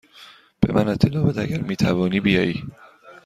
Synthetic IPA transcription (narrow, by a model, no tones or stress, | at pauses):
b̥emænet̪ʰːelɒːbæt̪æɟæɾmiːt̪ʰævɒːniːbijɒːiː